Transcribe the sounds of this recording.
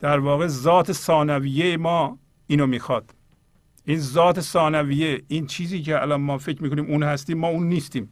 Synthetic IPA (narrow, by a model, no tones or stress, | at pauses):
d̪̥æɾvɒːɣe̞zɒːt̪ʰesɒːnæviːjejemɒː | iːnomiːxɒːd̪̥ | ʔiːnzɒːt̪ʰesɒːnæviːjeiːnt͡ʃʰiːziːceæ̰lɒnmɒːfekɾmiːkʰoniːmuːnhæst̪iːmːɒːuːnːiːst̪iːm